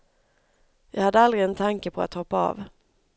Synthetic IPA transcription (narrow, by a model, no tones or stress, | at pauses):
jɑ̰ːɡhad̪ːəald̪ɾɪɛnt̪ʰaŋkəpʰɔa̰t̪hɔpːaɑ̰ːv